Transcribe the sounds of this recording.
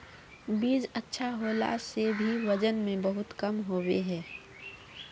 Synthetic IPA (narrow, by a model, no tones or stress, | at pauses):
biːzɐtːʃʰaɦoːla̰sebʱiʋɐd͡ʒənmẽbɐɦʊt̪kɐmɦoːwḛɦɛ̃ː